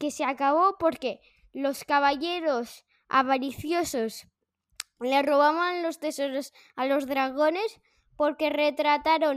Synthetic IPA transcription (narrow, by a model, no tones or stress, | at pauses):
ke̞seakaβ̞o̞po̞ɾke̞ | lo̞skaβ̞aʝe̞ɾo̞s | a̰βaɾiθjoso̞s | le̞ro̞β̞aβanlo̞st̪e̞soɾos | alo̞zðɾaɣ̞o̞ne̞s | po̞ɾke̞re̞t̪ɾat̪aɾo̞n